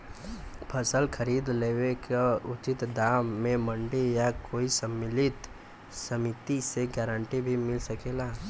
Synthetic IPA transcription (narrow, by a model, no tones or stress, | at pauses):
pʰəsəlkʰəɾiːd̪leːwekaʊt͡ʃɪt̪d̪aːmːẽmə̃ɳɖejakoːisəmːɪlɪt̪ | səmɪt̪iseɡɛːɾəɳʈibʱimɪlsəkeːlaː